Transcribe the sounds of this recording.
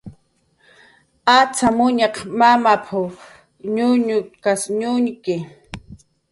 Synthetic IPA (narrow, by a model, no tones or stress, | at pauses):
at͡samʊɲɑqmamapʰa | ɲʊɲʊkasɲʊŋkɪ